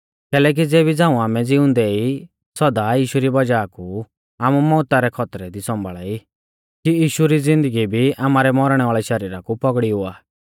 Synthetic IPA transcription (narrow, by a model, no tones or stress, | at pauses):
kɛːlɛːk̬id͡zeːbid͡zãːũaːmɛd͡zɪʊ̃nd̪ɛi | sɔd̪ajiːʃuɾibɐd͡ʒaːku | aːmumɔːt̪aɾɛkʰɔt̪ɾɛd̪isɔ̃mbʱaɭai | kijiːʃuɾizɪ̃nd̪əɡibʱiaːmaːɾɛmɔɾɽ̃ɛʋaːɭɛʃɐɾiːɾakupɔɡɽiɦʊaː